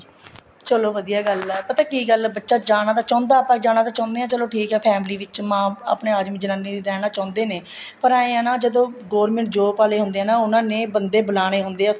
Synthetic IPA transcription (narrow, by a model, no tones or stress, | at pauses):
t͡ʃəloːʋəd̪ijaːɡəlɛpət̪ɛ̃ːkiːɡəlbətːʃaːd͡ʒaːɽ̃aːt̪aːt͡ʃɔ̃ːnd̪aːpãːd͡ʒaːɽ̃aːt̪aːt͡ʃɔ̃ːnd̪eːãːt͡ʃəloːʈʰiːkɦɛːpʰɛːmliːʋɪt͡ʃmãːa̰pneːaːd̪mĩːd͡ʒənãːniːɾɛːñaːt͡ʃɔ̃ːnd̪eːneː | pəɾaːẽːãːnaːd͡ʒəd̪õːɡɔːɾmɛ̃ɳʈ̚d͡ʒoːpaːleːɦʊnd̪eːaːnãːʊnãːneːbənd̪eːbəlaːɽ̃eːɦʊnd̪eːa